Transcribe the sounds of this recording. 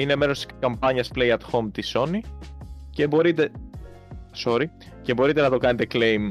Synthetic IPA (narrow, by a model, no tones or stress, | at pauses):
inemeɾo̞st̪i̥sskɐmpɐɲɐsplejɐt̪xo̞mt̪iso̞nice̞bo̞ɾit̪e | so̞ɾi | ce̞bo̞ɾit̪e̞nɐt̪o̞kɐne̞t̪eklejm